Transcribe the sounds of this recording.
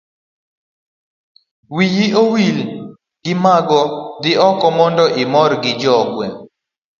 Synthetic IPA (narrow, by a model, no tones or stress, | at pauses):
wijiowil | ɡɪmaɡɔd̪ɪɔkɔmɔndɔʔɪmɔɾɡɪd͡ʒɔɡwɛ